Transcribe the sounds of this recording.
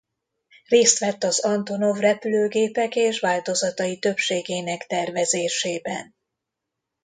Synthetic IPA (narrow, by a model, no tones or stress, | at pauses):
reːst̪ʋɛt̪ːɒzɒnt̪o̞no̞vrɛpyløːɡeːpɛkeːʃvaːlt̪o̞zɒt̪ɒjit̪ø̞pʃeːɡeːnɛkt̪ɛrvɛzeːʃeːbɛ̰n